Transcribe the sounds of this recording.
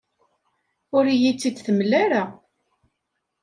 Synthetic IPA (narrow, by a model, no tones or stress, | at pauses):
ʊɾijit͡sːid̪θəmlːaɾa